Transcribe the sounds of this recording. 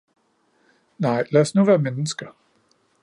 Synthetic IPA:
nɑ̈ɪ̰læːsnuʋæːɐmenəsɡ̥ɐ

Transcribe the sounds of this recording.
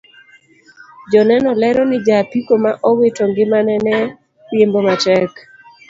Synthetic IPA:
d͡ʒɔnɛnɔlɛɾɔnɪd͡ʒapikomaʔɔwetoŋɡɪmanɛnɛ | jembomatɛk

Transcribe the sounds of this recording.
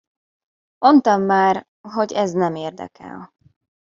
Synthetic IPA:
mʔo̞nt̪ɒmːaːr | ɦo̞ɟɛznɛmeːrd̪ɛ̰kʰɛ̰l

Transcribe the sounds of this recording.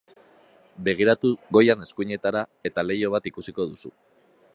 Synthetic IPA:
be̞ɣ̞iɾat̪uɣo̞jane̞skuɲe̞t̪aɾae̞t̪ale̞jo̞β̞at̪ikusiko̞ðusu

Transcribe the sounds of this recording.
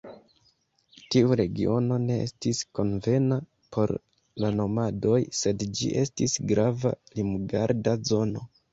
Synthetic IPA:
tiuɾe̞ɡio̞no̞ne̞estisko̞nve̞na | pʰo̞̰ɾ | lano̞mado̞jse̞dd͡ʒḭʔe̞stisɡɾava̰limuɡaɾdazo̞no̞̰

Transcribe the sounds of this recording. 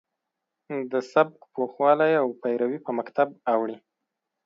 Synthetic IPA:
d̪əsab̚kpʰoxwɑlajawpajɾawipəmakt̪ʰab̚awɽi

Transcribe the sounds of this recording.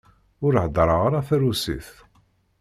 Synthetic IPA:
ʊɾħd̪ˤɾˤɑʁaɾˤæθæɾusḭθ

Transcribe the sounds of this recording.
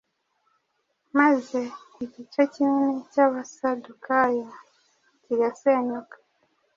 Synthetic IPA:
maze | iɟit͡ʃocininecaβasadukajo | ciɾaseɲokḁ

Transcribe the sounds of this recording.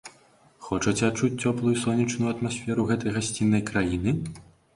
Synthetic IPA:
xɔt͡ʂɐt͡sʲɛat͡ʂut͡s̚ʲt͡sʲɔplˠujusɔnʲːit͡ʂnujɐt̪masʲfʲɛɾuɣɛt̪ɐjɣasʲt͡sʲinːɐjkɾajinɨ

